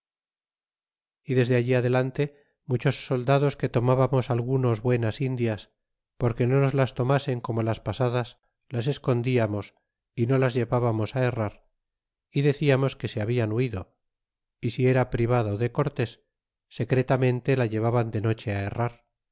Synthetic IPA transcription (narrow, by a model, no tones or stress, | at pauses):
iðe̞zðeaʎiaðe̞lant̪e̞ | mut͡ʃo̞sːo̞ld̪aðo̞ske̞t̪o̞maβamo̞salɣuno̞zβwe̞nasind̪jas | po̞ɾke̞no̞no̞zlast̪o̞mase̞ŋko̞mo̞laspasaðas | lasesko̞nd̪iamo̞s | ino̞lazʝe̞βaβamo̞sae̞raɾ | iðe̞θiamo̞ske̞seaβianuiðo̞ | isie̞ɾapɾiβ̞aðoðe̞ko̞ɾt̪e̞sː | e̞kɾe̞t̪amẽ̞nt̪e̞laʎe̞β̞aβand̪e̞no̞t͡ʃe̞ae̞raɾ